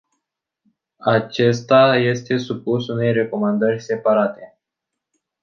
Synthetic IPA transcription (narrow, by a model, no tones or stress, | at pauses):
at͡ʃe̞st̪aje̞st̪e̞supusune̞jre̞ko̞mand̪ərʲse̞paɾat̪e̞